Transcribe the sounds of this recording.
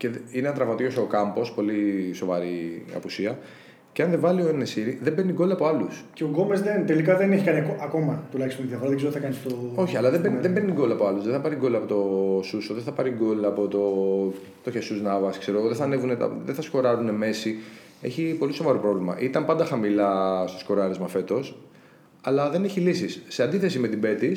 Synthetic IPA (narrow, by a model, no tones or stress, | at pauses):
ce̞ineɐnt̪ɾɐvɐt̪iost̪eokɐmpo̞spo̞liso̞vɐɾiɐ̰pusiɐ | ceɐnðe̞vɐlioenesiɾiðembenit̪iɡo̞lɐpo̞ɐlusceoɡo̞mezðent̪elikɐðeneçikɐniɐkoʔɐko̞mɐt̪ulɐçist̪oðiɐfoɾɐðeɡzot̪iθɐkɐnist̪oo̞çiɐlɐðe̞benðembenit̪iɡo̞lɐpo̞ɐluzðeθɐpɐɾiɡolɐpo̞t̪o̞susoðenθɐpɐɾiɡo̞lɐpo̞t̪o̞ | t̪oçesuznɐvɐskse̞ɾoɣoðeθɐne̞vunet̪ɐ̰ðeθɐsko̞ɾɐɾune̞me̞si | e̞çipo̞liso̞vɐɾopɾo̞vlimɐ̰ʔit̪ɐmpɐnd̪ɐxɐmilɐst̪osko̞ɾɐɾezmɐfe̞t̪o̞s | ɐlɐðe̞ne̞çilisisːe̞ɐnd̪iθe̞sime̞t̪ibe̞t̪is